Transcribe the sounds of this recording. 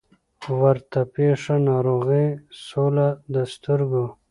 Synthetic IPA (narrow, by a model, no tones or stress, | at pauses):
wəɾt̪apeːʂanaːɾoːɣisolad̪ast̪uɾɡo